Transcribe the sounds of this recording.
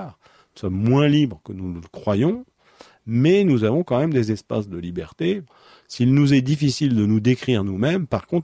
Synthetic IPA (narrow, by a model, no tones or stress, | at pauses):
ʁ | nusɔmːwɛ̃libʁəkənuləəkχwajɔ̃ | mɛnuzavɔ̃kɑ̃mɛmd̪ezɛspa̰sd̪əlibɛʁt̪e | silnuzɛd̪ifisild̪ənud̪ekχiʁnumɛmpaʁkɔ̃t̪